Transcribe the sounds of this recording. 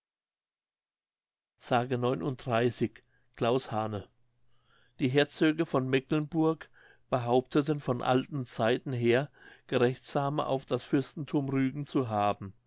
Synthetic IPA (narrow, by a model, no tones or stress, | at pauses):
z̥aːɡənɔʏnʔʊnt̚d̥ʁaɪsɪç | kl̥aʊshaːnə | d̥iːɦeːɐt͡søːɡəfɔnmɛklənbʊɐk | b̥əɦaʊp̚tʰətənfɔnʔa̰ltn̩t͡saɪtn̩ɦeːɐɡ̥əʁɛçtz̥aːmə̰ʔa̰ʊfd̥asfɪɐstn̩tʰuːmʁyːɡŋ̩t͡suɦaːbm̩